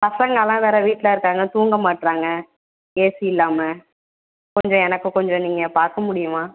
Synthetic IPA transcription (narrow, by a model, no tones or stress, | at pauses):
pɐsɐŋɡɐlãːʋeːɾɐʋiːʈːlɐːɪɾɯkːaːŋɡɐt̪uːŋɡɐmaːʈːɾaːŋɡɐ | keːsiɪlːaːmɐ | kɔɲd͡ʒɔ̃ɛnɐkːɯ̃kɔɲd͡ʒɔ̃niːŋɡɐpaːɾkɐmʊɽɪjʊmãː